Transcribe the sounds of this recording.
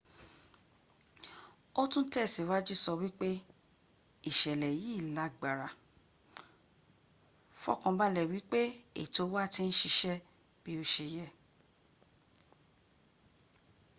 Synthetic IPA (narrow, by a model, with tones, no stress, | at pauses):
o˦tũ˦tɛ˦˨si˨wa˦d͡ʒi˦sɔ˧wi˦k͡pe˦ | i˦˨ʃɛ˨lɛ˨ji˦˨la˨˦ɡ͡ba˨ɾa˨ | fɔ̰˦˨kɔ̃˧ba˦lɛ˨wi˦k͡pe˦ḛ˨to˨˧˦wa˦˨ti˧ñ̩˦ʃi˧ʃɛ˦ | b̥i˦o˧ʃe˧jɛ˦